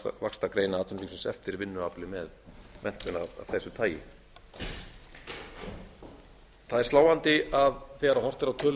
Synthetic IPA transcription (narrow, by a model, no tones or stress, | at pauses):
vakst̪akɾeːjnaaːt̪ʏniŋsɛmsɛ̰ft̪ɪɾvɪnːʏaplɪmɛðmɛn̥t̪ʏnaa̰θɛsːʏt̪ʰaːjɪ̰ | θaðɛɾ̥slaːwant̪ɪaðθɛɣaɾawhɔr̥t̪ɪɾawt̪ʰœːl